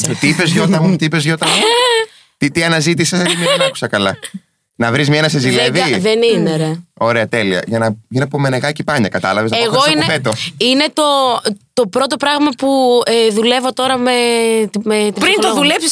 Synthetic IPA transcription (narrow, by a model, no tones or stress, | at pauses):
ot̪iipezʝot̪ɐt̪iipe̞zʝo̞t̪ɐn | t̪it̪iɐnɐzit̪isesɐt̪imɐenɐku̥sɐkɐlɐ | nɐvɾizmɲɐnɐsezileviðenineɾeo̞ɾeɐt̪e̞liɐ̰ʝɐnɐʝinepomeneɣɐcipɐɲɐkɐt̪ɐlɐvezneɣo̞sinefet̪oine̞t̪o̞t̪o̞pɾo̞t̪o̞pɾɐɣmɐpueðule̞vo̞t̪o̞ɾɐmemet̪ipɾint̪oðulepsis